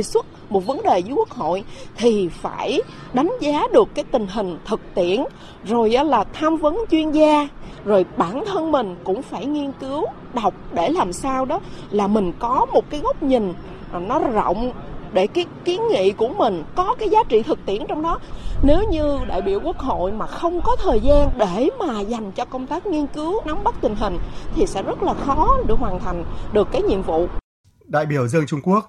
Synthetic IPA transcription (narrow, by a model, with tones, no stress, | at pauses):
swə˦˥t̚mo˨˩t̚və˨˦nɗe˨˩vəː˨˦jku˦˥ək̚ho̰˧˨jt̪ʰi˨˩fa̰ː˧˩j | ɗa˨˦jŋ̟zaː˨˦ɗɨ˨˩əkːaː˨˦jt̪ï˨˩ŋ̟ɦï˨˩ŋ̟t̪ʰɨ˨˩k̚t̪ḭ˧˨ən | zo˨˩jʔə˨˦laː˨˩t̪ʰaː˧mvə˨˦nt͡ɕwi˧ənzaː˧ | zo˨˩jɓaː˧˩nt̪ʰə˧nmï˨˩ŋ̟kʊ̰˧˥ŋ͡mfaː˧˩jŋi˧ənkɨ˨˦w | ɗa˨˩wk͡p̚ɗe˧˩laː˨˩msaː˧wɗɔ˨˦laː˨˩mï˨˩ŋ̟kɔ˨˦mo˨˩t̚kaː˨˦jɣə˦˥wk͡p̚ɲi˨˩ŋ̟˨˩ | nɔ˨˦zɔ̰˧˨wŋ͡mɗe˧˩kaː˨˦jki˨˦ənŋḭ˧˨ku˧˩əmï˨˩ŋ̟kɔ˨˦kaː˨˦jzaː˨˦t͡ɕḭ˧˨t̪ʰɨ˨˩k̚t̪ḭ˧˩ənt͡ɕɔ˧wŋ͡mɗɔ˨˦ne˨˦wɲɨ˧ɗa̰ː˧˨jɓi˧˩əwku˦˥ək̚ɦo̰˧˨jmaː˨˩xə˧wŋ͡mkɔ˨˦t̪ʰəː˨˩jzaː˧nɗe˧˩maː˨˩za˨˩jŋ̟t͡ɕɔ˧kə˧wŋ͡mt̪aː˦˥k̚ŋi˧ənkɨ˨˦wna˨˦mɓə˦˥k̚t̪ï˨˩ŋ̟ɦï˨˩ŋ̟t̪ʰi˨˩sɛ̰˧˥zə˦˥t̚laː˨˩xɔ˨˦ɗɨ˨˩ək̚ɦwaː˨˩nt̪ʰa˨˩jŋ̟ɗɨ˨˩əkːaː˨˦jɲḭ˧˨əmvṵ˧˨ | ɗa̰ː˧˨jɓi˧˩əwzɨ˧əŋt͡ɕʊ˧ŋ͡mku˦˥ək̚